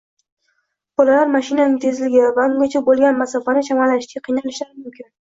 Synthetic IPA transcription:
b̥ɒlalaɾmaʃɪnanɪŋt̪ʰe̞zlɪɡʲɪvaʊŋɡʲat͡ʃʰabolˠɡʲanmasafanɪʃamalːaɪʃɡʲaqʰijnalɪʃlaɾɪmʊmkʲʰɪn

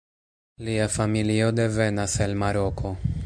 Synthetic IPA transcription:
liafamilio̞de̞ve̞naselmaɾo̞kʰo̞

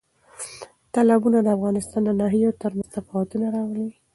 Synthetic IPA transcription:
t̪alabunad̪əafɣɑnɪst̪ɑnd̪ənɑɦijot̪əɾməz̥t̪afɑwat̪unaɾɑwli

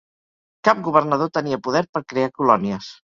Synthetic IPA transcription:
kap̚ɡuβərnəð̞ot̪əniəpuðɛɾpəɾkɾeakulɔniəs

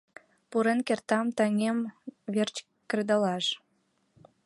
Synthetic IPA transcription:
puɾenkert̪ɑmt̪əŋemβert͡ɕ | kred̪əlɑʃ

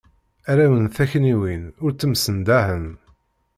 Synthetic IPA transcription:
æɾæwənθæçniwinʊɾt͡sːəmsənd̪æhən

